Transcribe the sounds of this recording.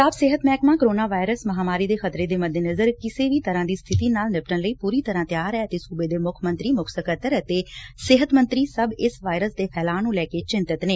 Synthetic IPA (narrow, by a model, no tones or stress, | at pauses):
aːbsɪɦət̪mɛːkmãːkəɾoːnaːʋaːɪɾəsməɦaːmaːɾiːd̪eːxʰət̪ɾeːd̪eːməd̪eːnəzəɾkɪseːʋiːt̪əɾãːd̪iːst̪ʰɪt̪iːnaːlnɪp̚ʈənləiːpuːɾiːt̪əɾãːt̪jaːɾɛːət̪eːsuːbeːd̪eːmʊkʰmə̃nt̪ɾiːmʊksəkət̪əɾət̪eːsɪɦət̪mənt̪ɾiːsəbɪsʋaːjɾəsd̪eːpʰɛːlaːnũːlɛːkeːt͡ʃɪ̃nt̪ɪt̪neː